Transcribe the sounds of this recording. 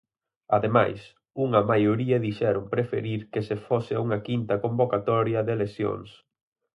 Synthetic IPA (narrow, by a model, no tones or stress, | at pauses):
aðema̰js | uŋɐmajoɾiɐðiʃɛɾʊmpɾefḛɾiɾkesefosɪauŋɐkint̪ɐkombokat̪ɔɾjɐðelesjo̰ŋs